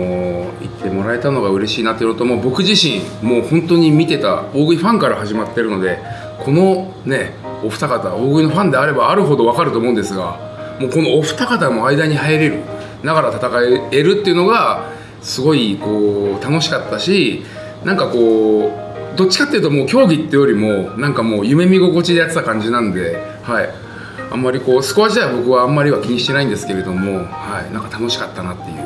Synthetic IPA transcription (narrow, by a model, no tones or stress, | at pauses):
oḭt̪ʰːe̞mo̞ɾae̞t̪ano̞ɡaɯ̟ɾe̞ɕiːnat̪oejɾot̪ːomo̞ːbo̞kɯ̟ʑiɕĩŋmo̞ːhõ̞nt̪oɲ̟imʲit̪e̞t̪a̰o̞ːɡɯ̟iɸãŋkaɾahaʑimat̪ːe̞ɾɯ̟no̞d̪e̞ | kʰo̞no̞ | ne̞ | oɸɯ̟t̪akat̪a̰oːɡɯ̟ino̞ɸãnd̪e̞aɾe̞baːɾɯ̟ɦo̞d̪o̞β̞akaɾɯt̪o̞ːmoɯ̃nd̪e̞sɨɡa̰ | moːko̞no̞ːɸɯ̥t̪akat̪amo̞aid̪aɲ̟ihaeɾe̞ɾɯ̟ | nakaɾat̪at̪akaee̞ɾɯ̟t̪ːe̞iɯ̟no̞ɡa | sɨɡo̞iko̞ːt̪ano̞ɕi̥kat̪ːaɕi | nãŋkako̞ː | d̪o̞t͡ɕːi̥kat̪ːejɯ̟t̪omo̞ːkʲo̞ːɡʲit̪ːe̞jo̞ɾʲimo̞nãŋkamo̞ːjɯ̟me̞mʲiɡo̞ko̞t͡ɕid̪e̞jat͡sɨ̥t̪ːakãɲ̟d͡ʑinãnd̪e̞ | hai | ã̰mːaɾʲiko̞ːsɨ̥ko̞βaʑit̪aibo̞kɯ̟βãːmːaɾʲiβakʲiɲ̟iɕit̪e̞naĩnd̪e̞sɨ̥ke̞ɾe̞d̪o̞mo̞haḭnãŋkḁt̪ano̞ɕi̥kat̪ːanat̪ːe̞jɯ̟ː